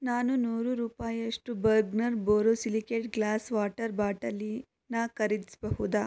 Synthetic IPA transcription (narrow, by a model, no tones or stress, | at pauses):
naːnunuːɾuɾuːpaːjɐʂʈubɐɾɡnɐɾboːɾosilikeːʈɡlaːsʋaːʈɐɾbaːʈɐlːi | nɐkɐɾid̪isbɐɦud̪aː